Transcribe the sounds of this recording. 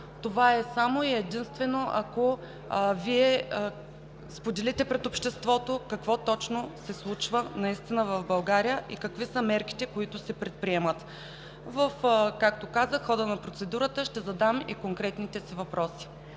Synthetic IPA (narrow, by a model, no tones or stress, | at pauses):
t̪ovaɛsamoiɛd̪inst̪vɛnoʔɐ̰ko | viɛ | spod̪ɛlit̪ɛpɾɛt̪opʃt̪ɛst̪vɔt̪okɐkvɔt̪ɔt͡ʃnosɛslˠut͡ʃvənɐist̪inəvɐvbɐlˠɡaɾijəʔikɐkvisəmɛɾki̥t̪ɛkoit̪ʊsɛpɾɛt̪̚pɾiɛmət̪ | vɐfkak̚t̪okazəxɔd̪ənɐpɾot̪sɛd̪uɾət̪əʃt̪ɛzɐd̪amḭkoŋkɾɛt̪nit̪ɛsivɐpɾɔsi̥